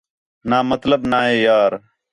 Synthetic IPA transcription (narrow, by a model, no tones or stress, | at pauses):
naːmət̪ləbnaːɦeːjaːɾ